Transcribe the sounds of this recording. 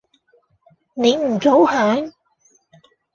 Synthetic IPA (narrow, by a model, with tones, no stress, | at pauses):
ne˨˧jm̩˨˩t͡so˨˥whaː˨˥ŋ